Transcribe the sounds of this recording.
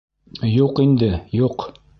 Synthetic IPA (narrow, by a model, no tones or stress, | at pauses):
juqind̪ɘjuq